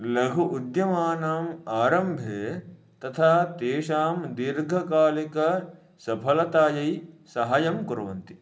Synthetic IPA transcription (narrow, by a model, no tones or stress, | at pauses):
lɐɡʱuʔud̪jɐmaːnaːmaːɾɐmbʱeː | t̪ɐt̪ʰaːt̪eːʃaːmd̪iɾɡʱɐkaːlikɐ | sɐpʰɐlɐt̪aːjɐjsɐɦaːjɐmkuɾɐʋɐ̰nt̪i̥